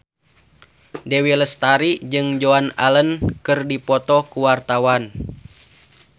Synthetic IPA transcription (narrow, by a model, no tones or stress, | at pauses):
dɛwiləst̪aɾid͡ʒɨŋd͡ʒoana̰lənkɨrdipɔt̪ɔkuwart̪awan